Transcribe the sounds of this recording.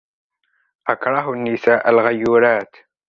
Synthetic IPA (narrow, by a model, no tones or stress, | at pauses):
ʔakɾˤɑɦanːɪsaːʔalɣajːuːɾaːt̪